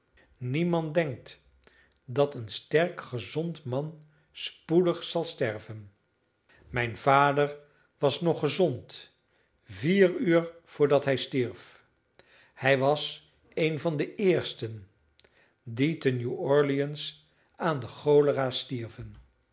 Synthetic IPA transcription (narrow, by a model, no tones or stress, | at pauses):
nimɑndɛŋk̚t | dɑtənstɛɹkχəzɔntmɑn | spudəχsɑlˠstɛɹvən | mɛjnv̥aːdəɹ | ʋɑsnɔχəzɔnt | viːryːɹv̥ʊːɹdɑtɦɛjstiɹf | hɛjʋɑs | ejnvɑndəʔɪːɹstən | ditənjuɔɹliəns | aːndəχowləraːstiɹvən